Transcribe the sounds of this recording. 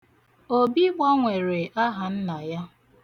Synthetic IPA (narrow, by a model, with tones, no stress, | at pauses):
o˨bi˦ɡ͡bɔ˦ŋʷe˨ɾe˨ʔa˦ɦa˨n̩˦na˨ja˦